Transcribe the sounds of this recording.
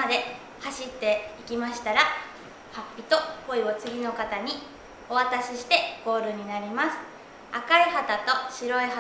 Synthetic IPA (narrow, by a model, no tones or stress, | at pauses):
ad̪e̞ | haɕit̪ːe̞ikʲimaɕi̥t̪aɾa | hapʲːit̪o̞po̞io̞t͡sɨɡʲino̞kat̪aɲ̟i | o̞βat̪aɕiɕi̥t̪e̞ɡ̥o̞ːɾɯ̟ɲ̟inaɾʲimasɨ̥ | akaihat̪at̪o̞ɕiɾo̞iha